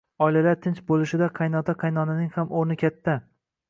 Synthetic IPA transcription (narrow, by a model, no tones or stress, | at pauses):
ɒɪlalaɾt̪ʰɪnt͡ʃbolɪʃɪd̪aqʰɑjnɒt̪ʰaqʰɑjnɒnanɪŋhamoɾnɪkʲʰat̪ʰːa